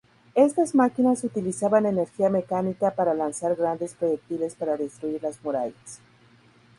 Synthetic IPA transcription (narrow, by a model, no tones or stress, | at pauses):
e̞st̪azmakinasut̪ilisaβane̞ne̞ɾxiame̞kanikapaɾalansaɾɣɾand̪e̞spɾo̞ʝe̞k̚t̪ile̞spaɾaðest̪ɾuiɾlazmuɾaʝas